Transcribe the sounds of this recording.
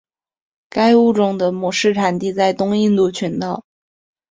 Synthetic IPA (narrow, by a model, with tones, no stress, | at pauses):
ka˥ɪu˥˩ʈ͡ʂʊ˥˩ŋd̪ə˨mɔ˨˩ʂɻ̩˥˩ʈ͡ʂʰa˨˩nt̪i˥˧t͡sa˥˩ɪt̪ʊ˥ŋi˥˧nt̪u˥˩t͡ɕʰy˧˥nt̪ɑ˥˩ʊ